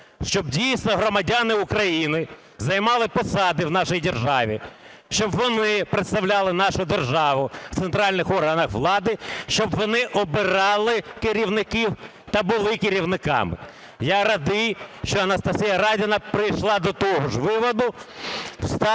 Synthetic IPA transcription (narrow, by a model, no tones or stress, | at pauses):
ʃt͡ʃɔbdʲijsʲnɔɦɾɔmɐdʲanɪʊkɾɐjinɪ | zɐjmɑlˠɪpɔsɑd̪ɪwnɑʃɪjdʲerʒɑʋʲḭ | ʃt͡ʃɔbʋɔnɪpɾet̪st̪ɐwlʲɑlˠɪnɑʃʊd̪erʒɑʋʊ̥t̪sent̪ɾɑlʲnɪxɔrɦɐnɐxʋlˠɑd̪ɪʃt͡ʃɔbʋɔnɪʔɔbɪɾɑlˠɪkɪɾʲiwnɪkɪw | t̪ɐbʊlˠɪkɪɾʲiwnɪkɑ̰mɪ | jaɾɐd̪ɪjʃt͡ʃɔɐnɐst̪ɐsʲijɐɾɑjdʲɐnɐpɾɪjʃlˠɑd̪ɔt̪ɔɦɔʒʋɪʋɔd̪ʊ | st̪ɑ